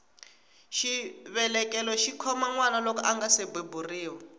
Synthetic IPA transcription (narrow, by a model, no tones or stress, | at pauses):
ʃiβɛlɛkɛlɔʃikʰɔmaŋwanalɔkɔʔaŋɡasebeburiːwɔ